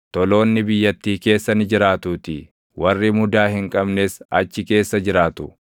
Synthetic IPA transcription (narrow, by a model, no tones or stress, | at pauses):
t̪ɔlo̞ːnːɪbɪjːɐt̪ːiːke̞ːsːɐnɪd͡ʒɪɾaːt̪uːt̪ɪ | wɐrːimʊd̪aːhɪŋkʼɐbneːsɐ̰t͡ʃːɪke̞ːsːɐd͡ʒɪɾaːt̪ʊ